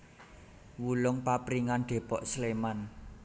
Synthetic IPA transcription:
wulʊŋpapɾiŋanɖ̪̥e̤pɔʔsleman

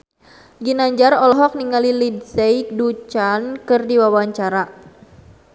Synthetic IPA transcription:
ɡinaɲd͡ʒarɔlɔɦɔk̚niŋalilidsejk̚dut͡ʃankɨrdiwawaɲt͡ʃaɾa

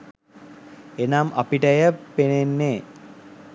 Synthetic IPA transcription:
enamʔapiʈəjəpenenːeː

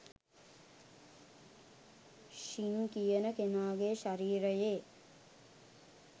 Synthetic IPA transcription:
ʃiŋkijənəkenaːɡeʃaɾiːɾəjeː

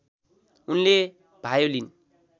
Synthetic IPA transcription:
unle | b̥ʱajolin

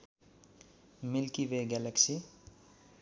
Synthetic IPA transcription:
milkibeɡɛleksi

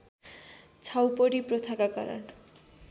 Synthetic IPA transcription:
t͡sʰawpoɾipɾot̪ʰakaka̰ɾɔ̰n

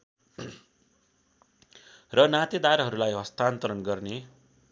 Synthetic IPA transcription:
rʌnat̪id̪aɾʌɦʌɾulajɦʌst̪ant̪ʌɾʌnɡʌrne

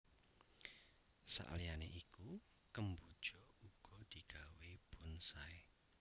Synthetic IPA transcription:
sa̰ʔlijaneʔiku | kəmbud̥ʒ̥ɔuɡ̥ɔd̪̥i̤ɡ̥a̤web̥ʊnsae

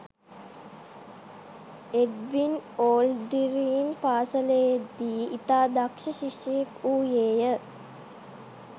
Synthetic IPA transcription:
eɖʋinoːlɖiɾiːnpaːsələjed̪ːiːit̪aːd̪akʂəʃiʂəjekuːjeːjə

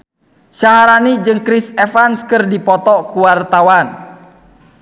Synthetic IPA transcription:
ʃaɦaɾanid͡ʒɨŋkɾisɛfanskərdipɔt̪ɔkuwart̪awan

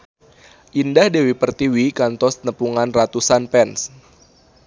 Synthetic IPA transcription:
ʔindahdewipərt̪iwikant̪ɔsnəpuŋanrat̪usanpɛns

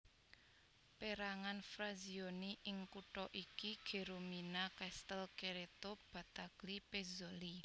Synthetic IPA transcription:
peɾaŋanfɾazioniʔɪŋkuʈɔʔikiɡ̥e̤ɾominakɛst̪əlkeɾet̪ob̥ä̤t̪aɡ̥lipezoli

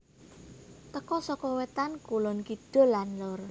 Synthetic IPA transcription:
t̪əkɔsɔkɔwet̪ankulʊnkid̥o̤lanlʊr

